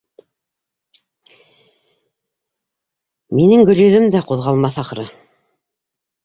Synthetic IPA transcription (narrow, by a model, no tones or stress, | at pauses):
minɘŋɡɵ̆ljɵ̆ðɵmd̪æquðʁɑlˠmɑθɑqɾɤ